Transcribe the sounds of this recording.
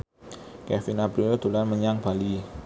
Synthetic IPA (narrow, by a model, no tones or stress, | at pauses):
kɛst̪inab̥ɾujod̪̥ulanməɲaŋb̥a̤li